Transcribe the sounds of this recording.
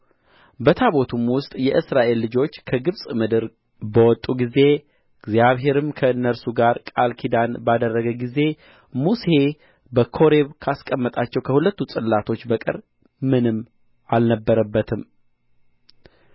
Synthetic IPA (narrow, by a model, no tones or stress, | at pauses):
bət̪ʰaβo̞t̪ʰumwʊst̪ʼjɛʔɨsɾaʔe̞lːɨd͡ʒo̞t͡ʃːkʰəɡɨβsʼmɨd̪ɨɾ | bəwɔt̪ʼːuɡize̞ | ɨɡzjaβɦe̞ɾɨmkʰəɨnːəɾsuɡaɾkʼalkʰid̪anbad̪ərːəɡəɡize̞ | muse̞ | bəkʰo̞ɾeβkʰaskʼəmːət̪ʼat͡ʃːɛwkʰəhulət̪ːusʼɨlːat̪ʰo̞t͡ʃːbəkʼɨ̰ɾ | mɨnɨm | ʔalnəbːəɾəbːət̪ʰɨm